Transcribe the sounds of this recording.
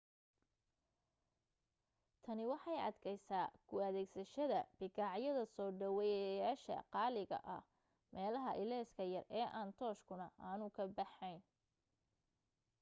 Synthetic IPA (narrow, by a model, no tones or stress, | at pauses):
t̪ʰɐnɪwɑħɑjɐ̰d̪kʰɛjsaːkʰʊɐðɛːɡsɐʃɐðɐb̥ɪɡɑʕjɐðɐsɔːɖɐwɛjjaːʃɐ̰qɑːlɪɣɐ̰ʔɐh | mɛːlɐɦɐʔɪlɛːskʰɐjɐrɛːʔaːnt̪ʰɔːʃkʰʊnɐaːnʊkʰɐbɑħɛjn